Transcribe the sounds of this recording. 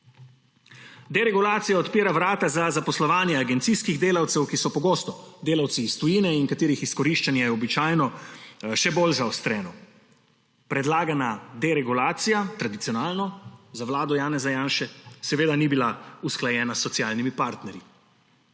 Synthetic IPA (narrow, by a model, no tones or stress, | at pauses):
d̪ɛɾɛɡulaːt̪sijaɔt̪piːɾaʋɾaːt̪azazapɔslɔʋaːnjɛaɡɛnt̪siskiɣd̪eːlawt̪sɛwkisɔpɔɡoːst̪ɔd̪eːlawt̪siːst̪ujinɛiŋkat̪iːɾixiskɔɾiʃt͡ʃanjajɛɔbit͡ʃaːjnɔʃɛbolzaɔst̪ɾɛːnɔ | pɾɛd̪laːɡanad̪ɛɾɛɡulaːt̪sijat̪ɾad̪it̪ijɔnaːlnɔzaʋlaːd̪ɔjaːnɛzajaːnʃɛsɛʋeːd̪anibilausklajɛːnasːɔt̪sjaːlnimipaɾt̪nɛɾji